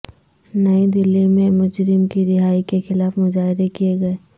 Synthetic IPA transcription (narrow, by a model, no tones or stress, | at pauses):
nɐid̪ɪlimẽmʊd͡ʒɾɪmkiɾɪɦaːikexɪlaːfmʊzaːɦɪɾekijeɡɐeː